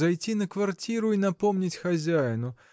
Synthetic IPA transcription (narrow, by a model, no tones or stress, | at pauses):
zajt͡sʲinɐkvart͡sʲiɾʊinɐpɔmnʲit͡sʲxazʲajnʊ